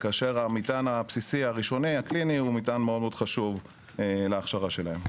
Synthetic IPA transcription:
kaːʃeʁamitanapsisiaʁiʃo̞niakliniumitanmeod̪̚meodχaʃuv | eleːχʃaʁaʃelahem

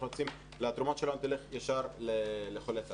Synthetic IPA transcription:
oot͡sim | leat̪ɾumot̪ʃeloant̪eliχjaʃaɾleleχolet͡s

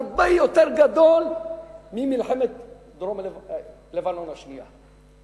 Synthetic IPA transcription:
ɾbajot̪eɾɡad̪olmimɪlħemet̪ | d̪ɾom | levanonaʃnija̰

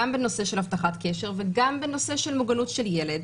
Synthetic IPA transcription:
ambeno̞se̞ʃelhaft̪aχat̪keʃeʁveɡambeno̞se̞ʃelmuɡanutʃeljeled

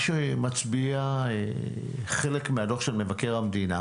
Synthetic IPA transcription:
ʃemat͡sbiae | χelekmeado̞χʃelmevake̞ʁamd̪ina

